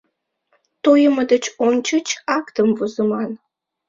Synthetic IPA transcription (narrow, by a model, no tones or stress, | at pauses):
t̪ojəməd̪ət͡ɕonʲt͡ɕət͡ɕɑkt̪əmvuzəmɑn